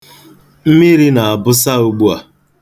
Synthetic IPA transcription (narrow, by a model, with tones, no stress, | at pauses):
m̩˦mi˦ɾi˦na˨a˨bʊ˦sa˦o˦ɡ͡bu˦a˨